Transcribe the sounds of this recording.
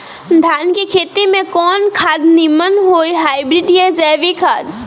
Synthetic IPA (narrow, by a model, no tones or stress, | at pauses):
d̪ʱaːnkikʰeːt̪imẽkɔːnkʰaːd̪nimənɦoːiɦaːjbɾiɖed͡ʒaʋikʰaːd̪